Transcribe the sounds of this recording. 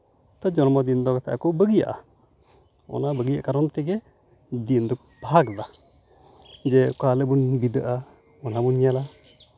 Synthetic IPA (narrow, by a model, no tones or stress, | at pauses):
t̪ad͡ʒɔnmɔd̪ind̪ɔɡt̪ɛa̰kɔbəɡija̰ʔa̰ | ɔ̰nabəɡija̰kaɾɔnt̪ɛɡɛ | d̪ind̪uk̚ | b̥aɡd̪a | d͡ʒɛkalebunbid̪əʔa | ɔnabunɲɛla